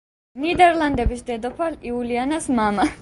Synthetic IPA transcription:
nid̪ɛɾland̪ɛbisd̪ɛd̪ɔpʰaliulianasmama

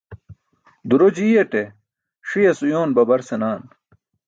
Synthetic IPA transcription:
d̪uɾod͡ʑiːjeʈe | ʂijɐsujoːnbɐbɐɾsenaːn

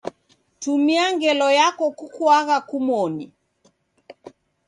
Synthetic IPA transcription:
tumiaŋɡɛlɔjakɔkukwaɣakumɔni

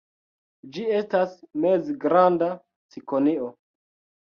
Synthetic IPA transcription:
d͡ʒie̞stasmezɡɾanda | t͡sikonio

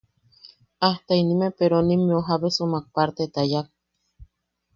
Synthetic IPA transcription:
aht̪ainimepeɾonimioɦaβesomak̚paɾt̪et̪ajak̚

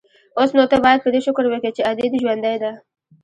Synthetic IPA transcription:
osnot̪abɑjad̪̚pəd̪eʃʊkɾwəket͡ʃead̪ed̪iʒwand̪ajd̪a

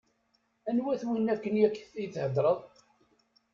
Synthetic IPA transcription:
ænwæθwinːækːənjækːθijθhəd̪ɾˤəðˤ

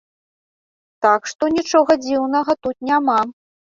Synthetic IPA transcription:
t̪akʂt̪ɔnʲit͡ʂɔɣɐd͡zʲiwnɐɣɐt̪ut̪̚nʲama

